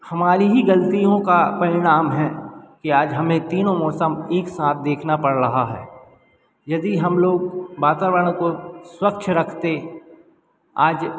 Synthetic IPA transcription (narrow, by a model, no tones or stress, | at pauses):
hɐmaːɾiɦiɡɐlt̪ijõkapɐɾɪɽ̃aːmɦɛ̃kiaːd͡ʒɦɐmẽt̪iːnõmɔːsəmeːksaːt̪̚ʰd̪eːkʰnapɐɽɾɐɦaɦɛ̰ː | jɐd̪iɦɐmloːɡ̚baːt̪aːʋəɽ̃õkoswɐkt͡ʃʰɾɐkʰt̪e | aːd͡ʒ